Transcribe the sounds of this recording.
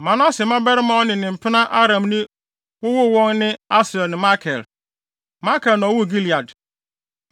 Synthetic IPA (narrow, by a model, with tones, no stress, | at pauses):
mã˨nʊ̃˦a˦sɛ˨mã˦bɛ˦ɾɪ˦mã˦ɔ˦nɪ̃˨nɪ̃˨m̩˨pʰɪ˦nã˦ʔa˦ɾã˨mnɪ̃˦ | wʊ˦wʊ˦wɔ̃˦ŋnɪ̃˦a˦sɾɛ˨lnɪ̃˨ma˦kʰɛ˨l | ma˦kɛ˨lnã˨˦wʊ˦˨ɡi˦li˨a˨d